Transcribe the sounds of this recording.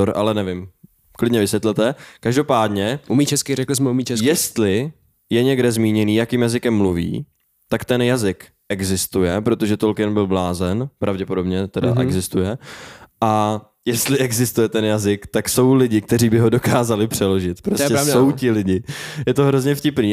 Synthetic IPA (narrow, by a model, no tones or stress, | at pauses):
oɾa̰lɛnɛvɪm | klɪdɲɛvɪsʋjɛt̪lɛt̪ɛkaʒdo̞paːdɲɛʔumit͡ʃɛskɪɾɛklɪsmɛumiːt͡ʃɛsjɛst̪lɪ | jɛɲɛɡdɛzmiːɲɛniːjakiːmjazɪkɛmːluvḭː | t̪akt̪ɛnjazɪk | ʔɛɡzɪst̪ujɛpɾo̞t̪oʒɛt̪olkɪnbɪlblaːzɛnpɾʔavɟɛpodo̞bɲɛt̪ɛda̰ʔɛ̰ɡzɪst̪ujɛʔa | jɛst̪lɪʔɛɡzɪst̪ujɛt̪ɛnjazɪkt̪akso̞wlɪɟɪk̚t̪ɛɾiːbɪɦo̞do̞kaːzalɪpr̝̥ɛlo̞ʒɪt̪pɾoscɛssowtɪlɪɟɪjɛt̪o̞ɦɾo̞zɲɛfcɪpniː